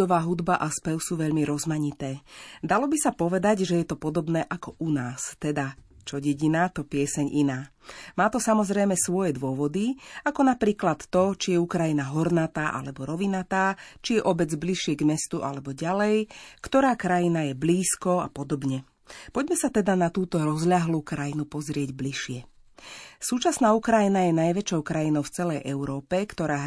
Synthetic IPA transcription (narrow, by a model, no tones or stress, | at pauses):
ɔʋaːɦud̪baʔaspɛʊsuːʋɛʎmiɾɔzmaɲit̪ɛːd̪alɔbisapɔʋɛd̪aɟʒɛjɛt̪ɔpɔd̪ɔbnɛːʔakɔʔunaːst̪ɛd̪at͡ʃɔɟɛɟinat̪ɔpɪɛsɛɲʔinaːmaːt̪ɔsamɔzɾɛjmɛsʋɔjɛd̪ʊɔʋɔd̪iakɔnapɾiːklat̪ːɔt͡ʃijɛukɾajinaɦɔɾnat̪aːʔa̰lɛbɔɾɔʋinat̪aːt͡ʃijɛʔɔbɛd͡zbliʃɪɛɡmɛst̪uʔa̰lɛbɔɟalɛjkt̪ɔɾaːkɾajinajɛbliːskɔa̰pɔd̪ɔbɲɛ | pɔɟmɛsat̪ɛd̪anat̪uːt̪ɔɾɔzʎaɦluːkɾajinupɔzɾɪɛɟbliʃɪɛ | suːt͡ʃasnaːukɾajinajɛnajʋɛt͡ʃɔʊkɾajinɔʊft͡sɛlɛjʔɛʊɾɔːpɛkt̪ɔɾaː